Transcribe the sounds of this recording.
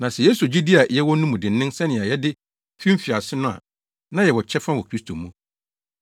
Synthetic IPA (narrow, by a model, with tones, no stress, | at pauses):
nã˨sɛ˨jɛ˦su˨o˨d͡ʑi˦di˦a˨jɛ˦wɔ˦nũ˦mũ˨dɪ̃˨n̩ː˨˦ɪ̃˦nsɛ̃˦nɪ̃˨a˨jɛ˦dɪ˦ | fĩ˦m̩˦fi˨a˨sɪ˦nʊ̃˦a̰˨ | nã˦jɛ˨wɔ˨t͡ɕʰɛ˦fã˦wɔ˨kʰɾi˦stʰo˨mũ˦